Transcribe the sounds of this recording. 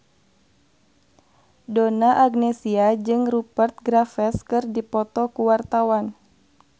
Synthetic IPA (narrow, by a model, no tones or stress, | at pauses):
donaʔaɡnɛsiad͡ʒɨŋrupərt̪̚ɡɾafɛskɨrdipɔt̪ɔkuwart̪awan